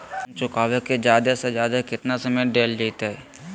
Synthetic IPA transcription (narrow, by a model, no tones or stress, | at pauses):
mt͡ʃʊkaːʋeked͡ʒjaːd̪ased͡ʒjaːd̪akɪt̪nasəməjɖeːld͡ʒeːt̪eɦɛː